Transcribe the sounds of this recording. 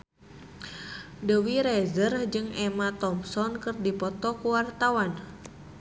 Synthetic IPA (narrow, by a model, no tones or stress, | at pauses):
dəwiɾɛzərhd͡ʒɨŋɛmat̪ɔmsɔnkɨrdipɔt̪ɔkuwart̪awan